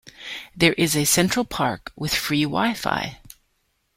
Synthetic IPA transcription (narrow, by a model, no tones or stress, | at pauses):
ðə˞ʔɪzɨsɛ̃nt͡ʃɹ̥l̩ˠpʰɑɹkwɪð̥fɹiwa̰ɪfa̰ɪ